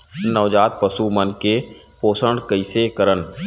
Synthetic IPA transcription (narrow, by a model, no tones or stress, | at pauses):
nəʋd͡ʒaːt̪̚pəsumənke | poːsəɳɖkəɪsekəɾən